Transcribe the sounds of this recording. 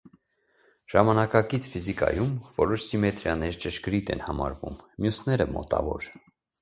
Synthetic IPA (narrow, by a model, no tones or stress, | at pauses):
ʒ̥ɑmɑnɑkɑkit͡sʰfizikɑ̰jumvɔɾɔʃsimɛt̪ɾjɑnɛɾt͡ʃəʃɡɾit̪ɛ̰nhɑmɑɾvṵmːjusnɛɾəmɔ̰t̪ɑvɔ̰ɾ